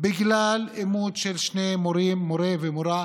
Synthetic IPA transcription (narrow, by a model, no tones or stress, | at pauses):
biɡlalemud̪ʃelʃnemoɾimːoɾevemoɾa